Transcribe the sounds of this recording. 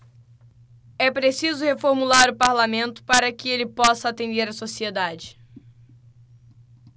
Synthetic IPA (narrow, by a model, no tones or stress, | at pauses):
ɛpɾesizʊhefoɾmulaɾʊpaɾlamẽnt̪ʊ̥paɾɐkɪelɪpɔsɐːt̪ẽnd̪eɾɐsosied̪ad͡ʒɪ